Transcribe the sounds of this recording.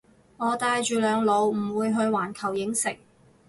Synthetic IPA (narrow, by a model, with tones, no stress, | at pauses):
ŋɔː˨˧t̪aː˧jt͡ʃyː˨˧lœː˨˧ŋlo˨˧wm̩˨˩wuː˨˧jɦɵ˧ɥwaː˨˩nkʰɐ˨˩wjɪ˨˥ŋsɪ˨˩k̚